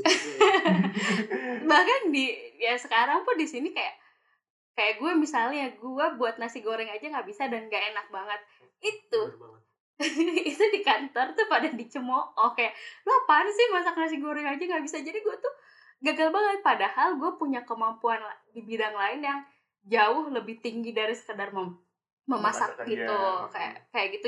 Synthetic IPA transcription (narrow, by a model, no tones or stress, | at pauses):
bahkandijasəkaɾaŋpʊndisinikajaʔ | kajaʔɡuamisalɲaɡuabuat̪̚nasiɡoɾɛŋad͡ʒaŋɡaʔbisadanŋɡaʔenak̚baŋət̪̚ | it̪u | it̪udikant̪ɔrt̪ʊpadaŋdit͡ʃəmoʔɔhkajaʔluapansɪhmasak̚nas̬iɡoɾɛŋad͡ʒaŋɡaʔbisad͡ʒadiɡuat̪ʊh | ɡaɡalbaŋət̪̚padahalɡuapuɲakəmampuanadibidaŋlaɪnjaŋ | d͡ʒaʊhləbɪht̪iŋɡidaɾisə̥kədarmə | məmasak̚ɡit̪ukaja̰kajaʔɡit̪u